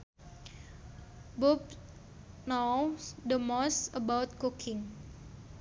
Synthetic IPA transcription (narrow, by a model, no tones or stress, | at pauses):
bup | nosd̪əmɔsəbawt̪̚kukʰɪŋ